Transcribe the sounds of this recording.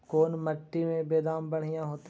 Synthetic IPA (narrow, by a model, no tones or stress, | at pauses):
koːnməʈːimẽbeːd̪aːmbɐɽ̤ijãɦoːt̪